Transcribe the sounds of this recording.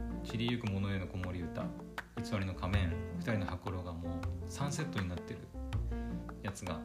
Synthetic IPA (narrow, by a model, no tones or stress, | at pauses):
t͡ɕiɾʲijɯ̟kɯ̟mo̞noenoko̞mo̞ɾʲiɯ̟t̪a̰ | it͡sɨβaɾino̞kʰamẽ̞ɴɸɯ̥t̪aɾʲino̞hakɯɾo̞ɡamoːsãɰ̃se̞t̪ːo̞ɲ̟inat̪ːe̞ɾɯ̟ | jat͡sɨɡa